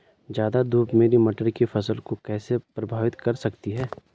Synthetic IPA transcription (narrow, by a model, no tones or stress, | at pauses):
d͡ʒjaːd̪ad̪ʱuːpmeːɾimɐʈəɾkifʰɐsəlkokɛːsepɾɐbʱaːʋɪt̪kɐɾsɐkt̪iɦɛː